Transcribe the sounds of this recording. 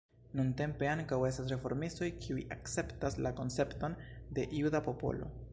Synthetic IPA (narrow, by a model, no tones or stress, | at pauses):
nunte̞mpe̞aŋkawe̞stas̬ɾe̞fo̞ɾmisto̞jkʰiujakt͡se̞ptaslako̞nt͡se̞pto̞nde̞ʔiudapo̞po̞̰lo̞̰